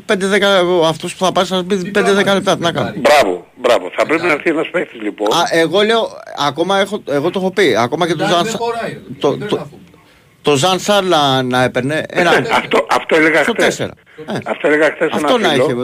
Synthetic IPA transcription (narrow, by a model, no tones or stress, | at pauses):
ped̪eðekɐɣoɐft̪ospuθɐpɐsɐzbipend̪e̞ðe̞kɐle̞p̚t̪ɐt̪nɐkɐnobɾɐvo̰ | bɾɐvoθɐpɾepinɐɾθienɐspekt̪izliponeɣo̞le̞oɐko̞mɐe̞xo̞e̞ɣo̞t̪oo̞xopiɐko̞mɐcet̪ozɐnst̪ot̪ | t̪o̞zɐnsɐɾnɐnɐe̞peɾne̞enɐɐft̪oʔɐft̪oeleɣɐsoese̞̰ɾɐ̰ | neɐft̪oeleɣɐxθesɐefnt̪onɐiloçe